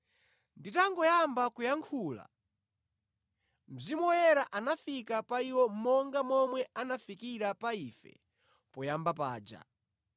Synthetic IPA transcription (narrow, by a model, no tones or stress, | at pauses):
nditaŋɡɔjambakujaŋkʰuːla̰ | m̩zimɔjɛɾaʔanafikapaiwɔm̩mɔŋɡamɔmwɛanafikiɾapaiːfɛ̰ | pɔjambapa̰ːd͡ʒa̰